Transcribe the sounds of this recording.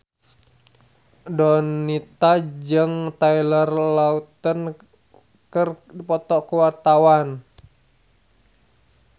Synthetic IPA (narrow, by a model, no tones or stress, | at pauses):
dɔnːit̪ad͡ʒɨŋt̪ailərlaut̪ən | kəripɔt̪ɔkuwart̪awan